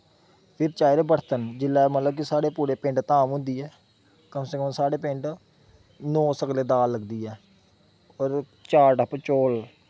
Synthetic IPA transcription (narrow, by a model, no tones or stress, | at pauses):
pʰɪɾt͡ʃaːjɾebəɽt̪ənd͡ʒɪlːɛːmət̪ləb̚kisaːɽeːpuːɾeːpɪ̃ɳɖt̪aːmɦʊ̃nd̪iːɛː | kəmseːkɔ̃msaːɽeːpɪ̃ɳɖ | noːsəkleːd̪aːlːəɡd̪iːɛː | ɔːɾ | t͡ʃaːʈəpət͡ʃoːl